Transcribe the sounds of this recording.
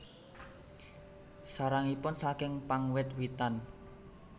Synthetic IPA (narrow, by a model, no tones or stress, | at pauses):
saɾaŋipʊnsakɪŋpaŋwɪt̪wit̪an